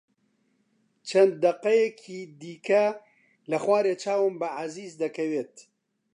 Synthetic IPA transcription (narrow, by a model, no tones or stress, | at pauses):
t͡ʃʰɐnd̪̚ːɐqɐjɛkʰiːd̪iːkʰɐ | lɐxwaːɾeːt͡ʃʰaːwɨmbɨʕaziːzd̪ɐkʰɐweːt̪